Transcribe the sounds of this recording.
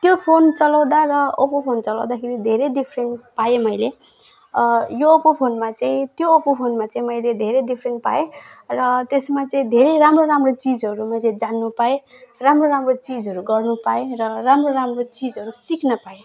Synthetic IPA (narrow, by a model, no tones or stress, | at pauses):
t̪jopʰont͡sʌlaw̃d̪arʌopopʰont͡sʌlaw̃d̪akʰeɾid̪ʱeɾeɖipʰrenʈpaemʌjle | joːpopʰonmat͡saĩt̪joːpopʰonmat͡saĩmʌjled̪ʱeɾeɖipʰrenʈ̚pa̰erʌt̪esmat͡sʌĩd̪ʱeɾeramroɾamrot͡sid͡zʌɾumʌjled͡zanːupae | ramroɾamrot͡sid͡zɦʌɾuɡʌrnupaerʌramroɾamrot͡sid͡zɦʌɾusiknʌpae